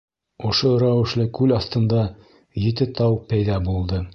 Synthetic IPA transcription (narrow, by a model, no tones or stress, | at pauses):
ŏʃoɾæwɘ̆ʃlɘkʉlɑθt̪ɤ̆nd̪ɑ | jɘ̆t̪ɘt̪ɑwpæjðɑbulˠd̪ɤ